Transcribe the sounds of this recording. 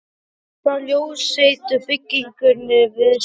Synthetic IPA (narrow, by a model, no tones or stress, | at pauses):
θaðljoːwsejt̪ʏfɪcːiŋkʏɾnɪvɪð